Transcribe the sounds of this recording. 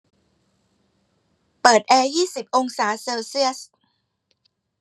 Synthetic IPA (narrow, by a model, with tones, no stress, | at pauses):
pɤː˨˩t̪̚ʔɛː˧jiː˥˩si˨˩p̚ʔo˧ŋsaː˩˦seː˧wsi˥˩əs